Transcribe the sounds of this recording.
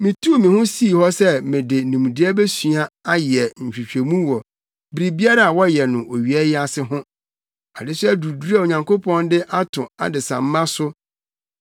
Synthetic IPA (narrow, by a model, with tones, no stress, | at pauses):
mɪ̃˨tʰu˦˨mĩ˨hʊ̃˦si˦˨hɔ˦sɛ˦mɪ̃˨dɪ˨nũ˨m˨dɪ˦ɛ˦bɛ˦su˨a˦a˦jɛ˨ɲ̩˨ɕᶣi˨ɕᶣe˨mũ˦wɔ˨ | bi˨ɾi˨bi˦a˦ɾa˦a˨wɔ˦jɛ˨nʊ̃˨ʔo˨ɥi˨ɛ˦jɪ˦a˨sɪ˦ɦʊ̃˦ | a˨dɪ˦sʊ˦æ˦du˨dɾa˦˨o˨ɲã˨ŋkʰo˦pʰɔ̃˦ndɪ˦ʔa˦tʰʊ̃˨a̰˨dɪ˨sã̰˨m̩˦mã˦sʊ˦